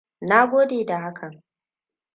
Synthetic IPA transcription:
na˦ɡʷoː˦deː˨da˨ɦa˦kʰɐ˨ŋ

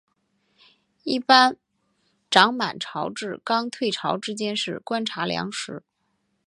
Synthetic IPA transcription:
i˥˩pa˥n | ʈ͡ʂɑ˧˥ŋma˨˩nʈ͡ʂʰɑ˧˥ʊʈ͡ʂɻ̩˥˩kɑ˥ŋt̪ʰwe˥˩ɪʈ͡ʂʰɑ˧˥ʊʈ͡ʂɻ̩˥t͡ɕjɛ˥nʂɻ̩˥˩kwa˥nʈ͡ʂʰa˧˥ljɑ̰˧˥ŋʂɻ̩˧˥

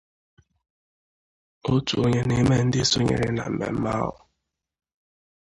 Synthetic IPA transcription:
o˦tu˨o˦ɲe˦ni˦me˦n̩˦dɪ˦so˦ɲḛ˨ɾɪ̰˦na̰˨m̩˨mḛ˨m̩˦ma˦ɦʊ̰˨

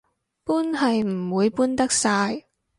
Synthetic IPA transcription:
puː˥nhɐ˨jm̩˨˩wuː˨˧jpuː˥nt̪ɐ˥k̚saː˧j

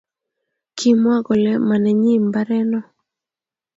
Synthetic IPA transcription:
kʰi˦mwa˦ɡɔ˨lɛ˦ma˨nɛ˨ɲi˦mba˦ɾɛ˦nɔ˦

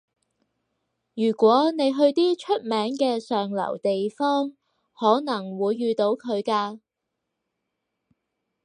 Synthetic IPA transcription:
jyː˨˩kʷwɔː˨˥ne˨˧jɦɵ˧ɥt̪iː˥t͡ʃʰɵ˥t̚mɛː˨˥ŋkɛː˧sœː˨ŋlɐ̰˨˩wt̪e˨jfɔː˥ŋ | hɔː˨˥nɐ˨˩ŋwuː˨˧jːyː˨˧t̪o˨˥wkʰɵ˨˧ɥkaː˧

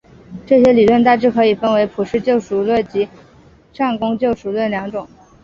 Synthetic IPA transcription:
ʈ͡ʂɤ˥˩ɕ̬jɛ˥li˨˩lwə˥˧nt̪a˥˧ʈ͡ʂɻ̩˥˩kʰɤ˧˥i˨˩fə˥nwe˧˥ɪpʰu˨˩ʂɻ̩˥˧t͡ɕjo˥˩ʊʂu˨˩lwə˥˩nt͡ɕi˧˥ | ʈ͡ʂa˥˩nkʊ˥ŋt͡ɕjo˥˩ʊʂu˨˩lwə˥˩nljɑ˧˥ŋʈ͡ʂʊ˨˩˦ŋ

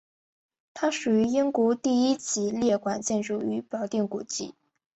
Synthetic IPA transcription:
t̪ʰa˥ʂu˨˩y˧˥i˥ŋkwu˧˥t̪i˥˩i˥t͡ɕʰi˧˥ljɛ˥˩kwa˨˩nt͡ɕjɛ˥˩nʈ͡ʂu˨˩y˧˥pjɑ˨˩ʊt̪i˥˩ŋku˨˩t͡ɕḭ˥˩

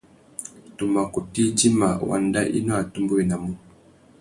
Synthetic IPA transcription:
tu˨ma˨ku˨ti˦d͡ʒi˦ma̰˨wa̰˨nda˦ʔḭ˦nɔ˦a˨tu˦mbu˦i˨na˨mu˦

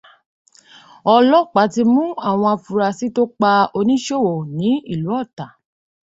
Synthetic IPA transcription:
ɔ˧lɔ˦˨k͡pa˨˦ti˧mũ˦a˦˨w̃ɔ̃˧a˧fu˧ɾa˧si˨˦to˦k͡pa˧o˧nĩ˦ʃo˦˨wo˨nĩ˨˦i˦˨lu˨˦ɔ˦˨ta˨

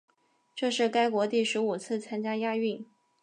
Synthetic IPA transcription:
ʈ͡ʂɤ˥˧ʂɻ̩˥˩ka˥ɪkwɔ˧˥t̪i˥˩ʂɻ̩˧˥u˨˩t͡sʰɹ̩˥˩t͡sʰa˥nt͡ɕja˥ja˥˧y˥˩n

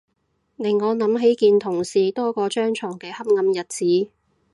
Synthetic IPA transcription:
nɪ˨˩ŋːɔː˨˧nɐ˨˥mɦe˨˥jkiː˨˧nt̪ʰʊ˨˩ŋsiː˨t̪ɔː˥kɔː˧t͡ʃœː˥ŋt͡ʃʰɔː˨˩ŋkɛː˧hɐ˥p̚ŋɐ˧mjɐ˨t̚t͡siː˨˥

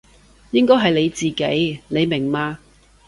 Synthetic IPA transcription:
jɪ˥ŋkɔː˥jɦɐ˨jle˨˧jt͡siː˨kḛ˨˥jne˨˧jmɪ˨˩ŋmaː˧

